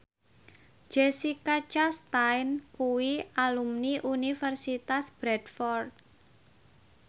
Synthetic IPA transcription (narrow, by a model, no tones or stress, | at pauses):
d͡ʒ̥esikat͡ʃast̪ajnkuwialumniʔunifɛrsit̪asb̥ɾɛdfɔrt̪̚